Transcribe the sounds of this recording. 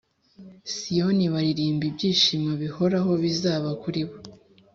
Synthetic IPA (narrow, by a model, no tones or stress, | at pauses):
sijo̞niβaɾiɾiːmbibɟiːʃimŋaβiho̞ɾaɦo̞βizaːβakuɾiβo